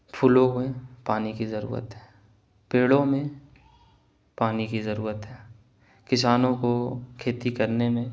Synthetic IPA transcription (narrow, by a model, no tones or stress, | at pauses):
pʰʊlõmẽpaːnikizɐɾṵːɾə̰t̪ɦɛː | peːɽõmẽ | paːnikizɐɾuːɾət̪ɦɛː | kɪsaːnõkokʰeːt̪ikɐɾnemẽ